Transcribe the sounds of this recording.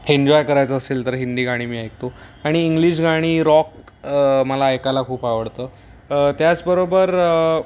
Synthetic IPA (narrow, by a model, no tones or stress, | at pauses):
eɲd͡ʑɔjkəɾajt͡səːseːlt̪əɾɦind̪iːɡʱaɽ̃iːmiːajk̚t̪oaɽ̃iːŋɡliːɕ̬ɡʱaɽ̃iːɾɔk | məlaːjkalakʰuːpaʋəɽt̪əː | t̪jat͡sbəɾobəɾ